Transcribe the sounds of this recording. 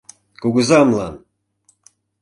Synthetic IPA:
kuɡəzɑmlˠɑn

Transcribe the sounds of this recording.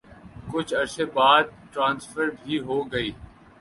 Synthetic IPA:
kʊt͡ʃʰɐɾsebaːd̪̚ʈɾãːnsfʰəɾbʱiɦoːɡəiː

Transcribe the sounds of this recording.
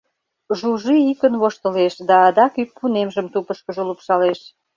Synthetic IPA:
ʒuʒiikənβoʃt̪əleʃd̪ɑːd̪ɑkypːunemʒəmt̪upəʃkəʒəlupʃɑleʃ

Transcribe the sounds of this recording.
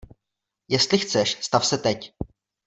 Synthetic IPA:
jɛst̪lɪxt͡sɛʃst̪afsɛt̪ɛc

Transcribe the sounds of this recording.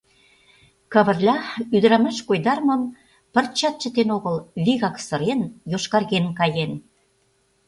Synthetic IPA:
kɑβə̆rlʲɑyd̪ɾɑmɑʃkojd̪ɑrmə̆m | pə̆rt͡ɕɑt̪̚t͡ɕə̆t̪enoɣəlβiɣɑksɤ̆ɾenjoʃkɑrɣenkɑjen

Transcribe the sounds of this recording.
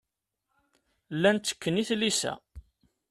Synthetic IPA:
lːænt̪ːə̥kːəniθlisæ̰

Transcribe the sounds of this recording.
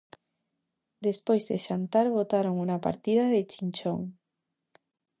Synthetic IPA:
d̪e̞spwezðeʃant̪aɾβ̞o̞t̪aɾoŋunapa̰ɾt̪iðaðet͡ʃint͡ʃo̰ŋ

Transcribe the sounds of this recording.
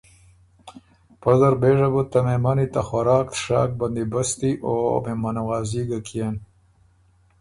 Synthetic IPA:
pazaɾbeːʐabut̪amemanit̪axaɾɑːk̚t̪ʂɑ̰ːk̚band̪ibast̪iʔo̰memanaɣɑːziɡakʰijen

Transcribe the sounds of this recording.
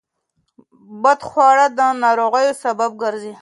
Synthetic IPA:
bad̪χwɑɽad̪ənɑɾoɣajosabab̚ɡəɾzi

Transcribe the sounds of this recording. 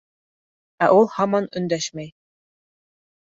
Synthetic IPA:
æʔulˠhɑmɑnɵ̆nd̪æʃmæj

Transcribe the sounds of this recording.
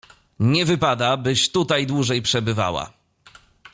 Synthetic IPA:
ɲɛvɘpad̪abɘɕt̪ut̪ajd̪wuʐɛjpʂɛbɘva̰wa̰

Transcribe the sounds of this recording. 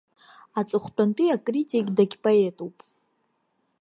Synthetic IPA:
at͡sʼɨχʷtʼantʼiakʼritʼikʼdaɡʲpʼoetʼupʼ

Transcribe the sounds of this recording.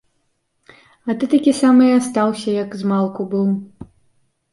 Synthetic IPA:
ɐt̪ɨt̪akʲisamɨjast̪awsʲɐjɐkzmalˠkubɨw

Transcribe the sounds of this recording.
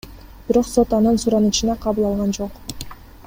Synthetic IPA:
b̥iɾo̞qso̞t̪ɑnɯnsuɾɑnɯt͡ʃɯnɑqʰɑβɯlˠɑlˠʁɑnd͡ʒo̞q

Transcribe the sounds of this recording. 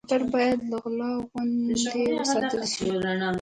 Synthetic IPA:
t̪aɾbɑjad̪laɣlɑɣwand̪ewəsɑt̪əlʃilana

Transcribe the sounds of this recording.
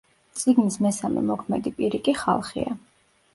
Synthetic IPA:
t̪sʼiɡnismɛsamɛ̰mɔkʰmɛd̪ipʼiɾikʼiχa̰lˠχḭa

